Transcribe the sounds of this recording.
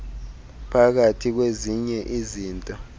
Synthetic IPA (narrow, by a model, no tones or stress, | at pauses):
pʰak̬atʰik̬weziɲɛʔiziːntʼɔ